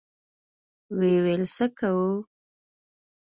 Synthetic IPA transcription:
wewɛlsəkawu

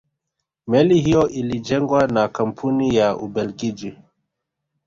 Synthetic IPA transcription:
mɛlihijɔʔilid͡ʒɛŋɡwanakam̩pʰunijaʔubɛlɡid͡ʒi

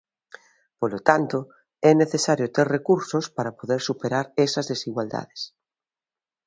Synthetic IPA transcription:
polot̪ant̪o | ɛneθesaɾjot̪eɾrekuɾsospaɾapoðeɾsupeɾaɾesɐzðesiɣwald̪a̰ðes

